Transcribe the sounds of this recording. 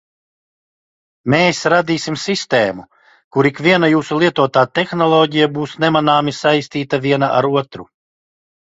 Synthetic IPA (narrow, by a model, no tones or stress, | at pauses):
meːsɾad̪iːsimsist̪ɛːmu | kuɾikvʲiɛnajuːsulˠiɛt̪uɔt̪aːt̪exnɔlˠɔːɟijabuːsnɛmanaːmisajsʲt̪iːt̪aviɛnaʔa̰ɾuɔt̪ɾu